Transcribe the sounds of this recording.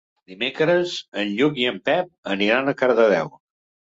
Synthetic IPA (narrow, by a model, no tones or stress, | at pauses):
d̪imekɾəzənʎukiəmpɛp̚əniɾanəkəɾðəðɛw